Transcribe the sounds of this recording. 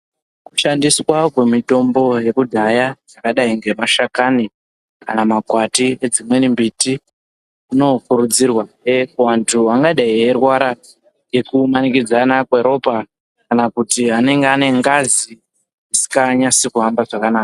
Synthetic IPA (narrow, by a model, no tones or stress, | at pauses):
ku̥ʃandiswakwe̞mito̞mbo̞je̞kudʱajad͡zakaɗaiŋɡe̞maʃakani | kanamakwatie̞d͡zimwe̞nimbiti | kuno̞kuɾud͡zirwaewantʰuwaŋɡaɗaierwaɾa | je̞kumanikid͡zanakweɾo̞pa | kanakutiɦane̞ŋɡeane̞ŋɡazi | isi̥kaɲasikuɦambaʐakanaːka